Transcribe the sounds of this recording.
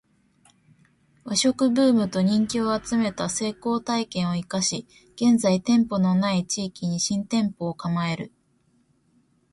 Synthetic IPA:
βaɕo̞kɯ̟bɯ̟ːmɯ̟t̪o̞ɲ̟ĩŋkʲio̞at͡sɨme̞t̪ase̞ːko̞ːt̪aikẽ̞ɰ̃o̞ikaɕi | ɡ̥ẽ̞nd͡zait̪ẽ̞mpo̞no̞nait͡ɕiːkʲiɲ̟iɕĩnt̪ẽ̞mpo̞ːkamae̞ɾɯ̟

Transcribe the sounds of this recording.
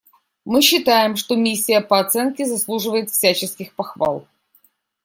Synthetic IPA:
mɨɕːɪt̪ajɪmʂt̪omʲisʲːɪjəpəɐt̪sɛnkʲɪzɐslˠuʐɨvəjɪt̪fsʲæt͡ɕɪskʲɪxpɐxva̰lˠ

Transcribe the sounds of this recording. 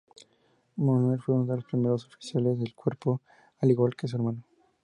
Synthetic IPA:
monwelfweunoðe̞lospɾimeɾosofi̥sjalezðelkwe̞ɾpo | aliɣwalkes̬ueɾmano

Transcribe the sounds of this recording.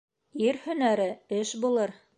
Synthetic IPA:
iɾhɵ̆næɾɘɘʃbulˠɤɾ

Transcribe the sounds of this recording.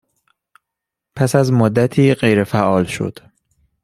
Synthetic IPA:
pʰæsæzmod̪ːæt̪ʰiːɢejɾefæʔɒːlʃo̞̰d̪̥

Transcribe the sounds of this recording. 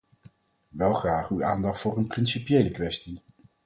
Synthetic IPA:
ʋɛlˠχraːχyaːndɑχtfʊːrənprɪnsipjejləkʋɛsti

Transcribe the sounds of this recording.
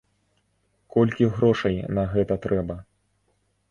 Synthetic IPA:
kɔlʲkʲiɣɾɔʂɐjnɐɣɛt̪ɐt̪ɾɛbɐ

